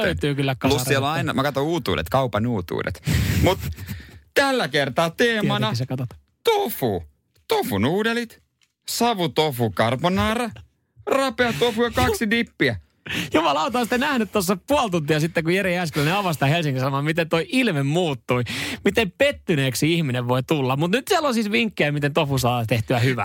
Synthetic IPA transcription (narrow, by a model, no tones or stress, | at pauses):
øyt̪yːkylːækɑlussieloɑinɑmɑkɑt̪ouːt̪ṵːdḛt̪kɑupɑnuːt̪ṵːdḛt̪mut̪t̪ælːækert̪ɑːt̪eːmɑnɑsekɑt̪ot̪ | t̪ofu | t̪ofunuːdelit̪ | sɑʋut̪ofukɑrponɑːrɑ | rɑpeɑt̪ofujɑkɑksidipːiæ | jumɑlɑut̪ɑːst̪enæhnyt̪t̪ːosːɑpuolt̪unt̪iɑsit̪ːekujeɾiæskelːæneɑʋɑst̪ɑhelsiŋkisɑmoɑːmit̪ent̪oiʔilmemmuːt̪ːuimit̪empet̪ːyneːksiihmineʋʋoit̪ulːɑmmut̪nyt̪siælolsiːsʋiŋkːeæmit̪ent̪ofusɑːt̪eht̪yæhyʋæ̰